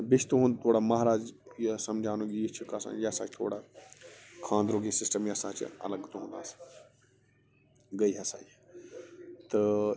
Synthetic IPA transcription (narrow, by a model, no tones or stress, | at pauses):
bɪt͡ʃʰt̪ũɦũːnd̪t̪ʰoːɽaːmaːɦɾaːd͡ʒjesɐmd͡ʒʱaːnũɡit͡ʃʰukasã̰jɐsãːt͡ʃʰt̪ʰo̰ːɽa | kʰãːnd̪ɾoːɡisɪsʈəmjɐsãːt͡ʃɐ̰ləɡt̪oɦũnd̪a̰ːs | ɡɐiɦasa̰ː | t̪ɐ